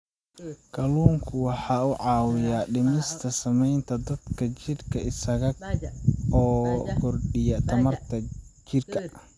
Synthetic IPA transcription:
kʰɐluːŋkʰʊwɑħɑːʊʕɑːwɪjaːɖɪmɪst̪ʰɐsɐmɛjnt̪ʰɐd̪ɐd̪kʰɐt͡ʃɪrkʰɐɪsɐɣɐ | ɔːkʰʊrɗɪjɐt̪ʰɐmɐrt̪ʰɐt͡ʃɪrkʰɐ

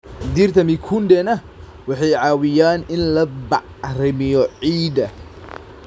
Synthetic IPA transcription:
d̪irt̪ʰɐmɪkʰund̪ɛnɐ | wɑħɑjʕɑːwɪjaːnɪnlɐbɑʕrɪmɪjɔʕiːd̪ɐ

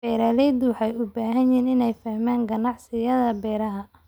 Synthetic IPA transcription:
bɛːɾaːlɛjd̪ʊwħɑjʊbaːɦɐnjiːnɪnɛjfɐhmaːŋɡɐnɑʕsɪjɐðɐbɛːɾɐɦɐ

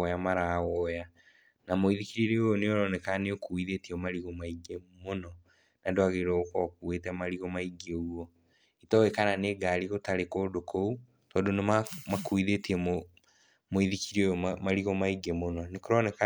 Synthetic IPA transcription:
ɔjamaɾaɔja | namoiðikiɾiɾeooneoɾɔnɛkaneokuiðetiomaɾiɣɔmaiɡemonɔ | nadoaɣeɾɔokɔkuetɛmaɾiɣɔmaiɡeuɔ | itɔekananeːɡaɾiɣotaɾekoːdokʰou | tɔːndonemamakuiðetiɛm | moiðikiɾiojɔmaɾiɣɔmaiɡemonɔnekoɾɔnɛka

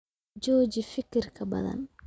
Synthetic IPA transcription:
d͡ʒɔːd͡ʒifɪkɪrkʰɐbɐ̰ðɐ̰n

